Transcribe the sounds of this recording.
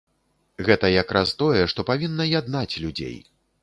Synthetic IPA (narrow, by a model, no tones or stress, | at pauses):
ɣɛt̪ɐjakɾʔast̪ɔjɛʂt̪ɔpavʲinːɐjad̪nat͡sʲlʲud͡zʲḛj